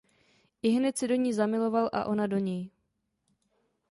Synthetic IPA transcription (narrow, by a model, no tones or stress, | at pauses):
ʔɪɦnɛt̪sɪdo̞ɲiːzamɪlo̞valʔa̰ʔo̞nado̞ɲɛj